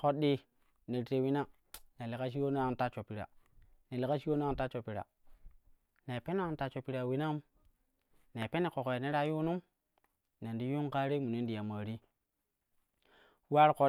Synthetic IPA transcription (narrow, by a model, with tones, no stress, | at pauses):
ko˨ɗi˨ | ne˨ɾte˨wi˦na˦ | ne˨le˨ka˦ʃ̬i˦wo˦n˦a˦˨n˦ta˦t͡ʃo˨pi˨ɾa̰˨ne˨le˨ka˦ʃi˦o˦na˦˨ta˦t͡ʃo˨pi˨ɾa̰˨ | ne˨pe˦no˦a˨n˦ta˨t͡ʃo˨pi˨ɾa˨wi˦na˦m | ne˨pe˦ne˨ko˨ko˨ja˨ne˦ɾa˦ju˦nu˦m | ne˨ndi˦ju˦ŋka˦ɾe˦mu˨ne˦ndi˨ja˨ma˨ɾi˦ | wa˦ɾko˨